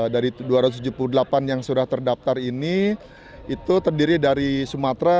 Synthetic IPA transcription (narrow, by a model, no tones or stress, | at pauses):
daɾiduaɾat̪ust̪ud͡ʒupuludəlapanjaŋsudaht̪ərdap̚t̪arini | it̪ut̪ərdiɾidaɾisumat̪ɾa